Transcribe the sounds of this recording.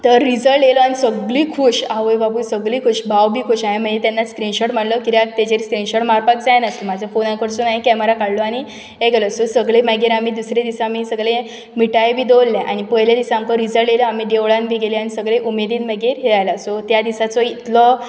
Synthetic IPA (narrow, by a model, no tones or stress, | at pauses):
t̪əɾːid͡zəlʈjelɔañisəɡɭikʰuːɕaʋəjbabuːsəɡɭiːkʰuːɕbʱawbʱiːkʰuːɕaɦem̤əɳd͡ʑet̪janːaskɾinɕoʈm̤əɳlɔkiɾjak̚t̪ed͡ʑeɾiskɾinɕoʈmaɾpak̚d͡zajnat̪ilmad͡ʑʱafonãkəɾsunaɦikɛməɾakaɽloaɽ̃i | ɦeɡelɔsosəɡɭemaɡeɾam̤iːd̪usɾed̪isaamisəɡɭe | miʈajebʱiːd̪olːeʔa̰ɽ̃ipəɦlad̪isaŋkəɾid͡zəlʈjeləamiːd̪eʋɭãnbʱiːɡeliañisəɡɭeʔumed̪iːnməɡeɾɦeajlasot̪jad̪isat͡sɔit̪lɔ